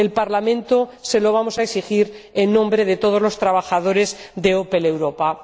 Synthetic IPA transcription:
elpaɾlamẽnt̪ose̞lo̞β̞amo̞saeksixiɾenːõ̞mbɾe̞ð̞et̪o̞ð̞ozlo̞st̪ɾaβ̞axað̞o̞ɾe̞zd̪eopele̞wɾo̞pa

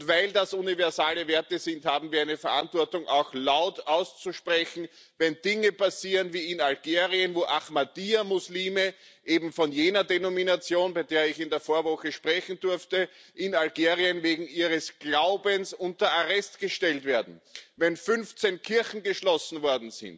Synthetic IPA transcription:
tvaɪldasunivɛɐzaːləveɐtəzɪ̃nthaːbm̩viːɐæɪnəfɛɐʔã̰ntv̥ɔɐtʊŋʔa̰ʊxlaʊtaʊst͡suʃpʁɛçn̩ | vɛndɪŋəpʰasiːʁənviːɪnalɡ̥eːʁiənvoːʔaχmadiːamʊsliːmə | ʔeːbm̩fɔnjeːnɐdenominat͡sjoːnbaɪdeːɐɪçɪndeːɐfoːɐvɔxəʃpʁ̥ɛçn̩dʊɐftəʔɪnalɡeːʁiənveːɡŋ̩iːʁəsɡ̥laʊbənsʊntɐaʁɛstɡ̥əʃtɛltveːɐdn̩vɛnfʏnft͡senkʰɪɐçn̩ɡəʃlɔsn̩vɔɐdn̩zɪ̰̃nt

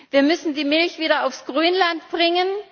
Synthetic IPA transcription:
viːɐmʏsn̩diːmɪlçv̥iːɾɐaʊfsɡ̥ʁyːnlantb̥ʁɪŋən

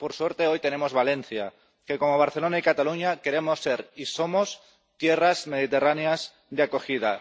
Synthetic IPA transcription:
poɾsweɾt̪eojt̪enemozβalẽn̟θja | kekomoβ̞aɾθelonaikat̪aluɲakeɾemosːeɾisomos | t̪jerazmeð̞it̪eraneaz | ðeakoxiða

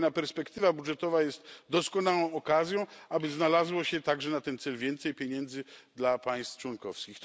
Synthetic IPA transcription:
napɛɾspɛkt̪ɘvabudʐɛt̪ɔvajɛst̪d̪ɔskɔnawɔ̃w̃ɔkazʲjɔ̃w̃abɘznalazwɔɕɛt̪aɡʐɛnat̪ɛnt̪sɛlvʲjɛnt̪sɛjpʲjeɲɛnd̪zɘd̪lapaj̃st̪ft͡ʂwɔnkɔfskʲixt̪

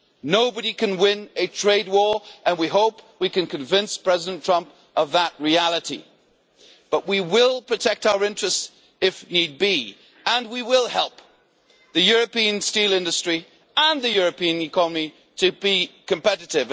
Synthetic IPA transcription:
noʊbɨɾikɨ̃nwɪ̃nɨtʰɹ̥eɪd̚wɔɹʔɨ̃nwiɦoʊpwikɨ̃nkʰɨ̃ɱvɪ̃nspʰɹ̥ɛzɨɾɨ̃n̩tʰɹ̥ʌ̃mp | ʔʌvðət̚ɹiælˠəɾḭ | b̥ʌʔ̚wiwɪlˠpʰɹ̥ɨtʰɛk̚taʊə˞ɪ̃nt͡ʃɹ̥ɨst | ɨfnid̚bi | ə̃nwiwɪlˠhɛlˠp̚ | ðɨjʊɹɨpĩɨ̃nstilˠɪ̃ndɨstɹ̥i | ə̃nðɨjʊɹɨpĩɨ̃nɨkʰɑnəmi | ɾɨbikɨ̃mpɛɾɨɾɪṽ

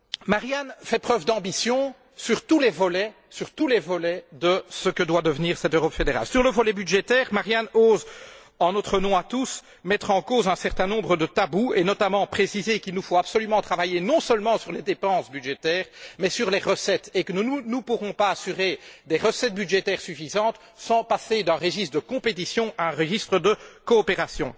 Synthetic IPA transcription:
maʁjanfɛpχœvd̪ɑ̃bisjɔ̃ | syʁt̪ulevɔlɛ | syʁt̪ulevɔlɛd̪əsəkəd̪wad̪əvniːʁsɛt̪øʁɔpfed̪eʁa̰lsyʁləvɔlɛbyd̪ʒet̪ɛːʁmaʁjanoːz | ɑ̃not̪χənɔ̃at̪us | mɛt̪χɑ̃kozɛ̃sɛʁt̪ɛ̃nɔ̃bʁəd̪ət̪abuenɔt̪amɑ̃pχesizekilnufoapsɔlymɑ̃t̪χavajenɔ̃səlmɑ̃syʁled̪epɑ̃sbyd̪ʒet̪ɛːʁmɛsyʁleʁəsɛt̪ekənuunupuʁɔ̃paasyʁed̪eʁəsɛt̪̚byd̪ʒet̪ɛːʁsyfizɑ̃t̪ | sɑ̃pased̪ɛ̃ʁeʒist̪d̪əkɔ̃pet̪isjɔ̃aɛ̃ʁəʒist̪χəd̪əkɔːpeʁasjɔ̰̃

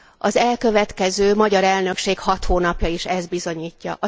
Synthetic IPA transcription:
ɒzɛlkø̞vɛt̪kɛzøːmɒɟɒɾɛlnø̞kʃeːkhɒt̪hoːnɒpjɒiʃɛzd̪̚bizo̞ɲiːcːɒ̰ʔɒ

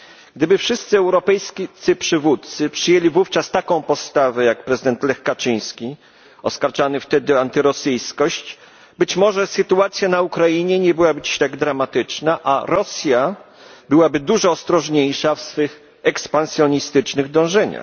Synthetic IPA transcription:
ɡ̥d̪ɘbɘfʂɘst̪sɘɛwɾɔpɛjskʲt̪sɘpʂɘvut̪̚t̪sɘpʂɘjelʲivuft͡ʂast̪akɔ̃w̃pɔst̪avɛjakpɾɛzɘd̪ɛnt̪lɛxkat͡ʂɘ̃j̃skʲi | ɔskaɾt͡ʂanɘft̪ɛd̪ɘant̪ɘɾɔsɘjskɔɕt͡ɕ | bɘt͡ɕmɔʐɛsɘt̪uat̪sʲjanaukɾajiɲɛɲɛbɘwabɘt͡ɕɾɛɡd̪ɾamat̪ɘt͡ʂnaʔaɾɔsʲja | bɘwabɘd̪uʐɔːst̪ɾɔʐɲejʂafsfɘx | ɛkspãnsʲjɔɲist̪ɘt͡ʂnɘɣd̪ɔ̃w̃ʐɛɲa̰x

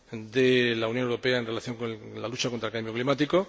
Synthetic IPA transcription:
d̪elaunjonewɾo̞peaenre̞laθjo̞ŋkolalut͡ʃakont̪ɾelkambjo̞klimat̪iko̞

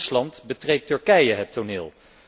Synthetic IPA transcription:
slɑntbətrejtːɵɹkɛjəɦətonɪːlˠ

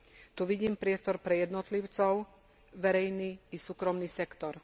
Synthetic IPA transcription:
t̪uʋiɟiːmpɾɪɛst̪ɔɾpɾɛjɛd̪nɔt̪liʊt͡sɔʊ | ʋɛɾɛjniːsuːkɾɔmniːsɛkt̪ɔɾ

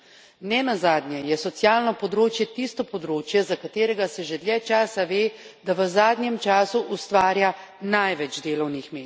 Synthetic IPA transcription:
nɛnazaːd̪njɛjɛsɔt̪sjaːlnɔpɔd̪ɾoːt͡ʃjɛt̪ist̪ɔpɔd̪ɾoːt͡ʃjɛzakat̪eːɾɛɡasɛʒɛd̪ljɛt͡ʃaːsaʋeːd̪aʋəzaːd̪nʲjɛmt͡ʃaːsuʔust̪ʋaːɾjanajʋɛd͡ʒd̪eːlɔwnixmeː

